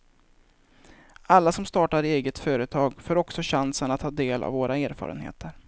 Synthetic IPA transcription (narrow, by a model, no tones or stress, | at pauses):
alːasɔmst̪ɑːʈaɾeːɡət̪fœːɾət̪ʰɑːɡfoːɾɔksɔɕansənat̪hɑːd̪eːla̰vːoːɾaeːɾfɑ̰ːɾə̰nhḛːt̪ʰəɾ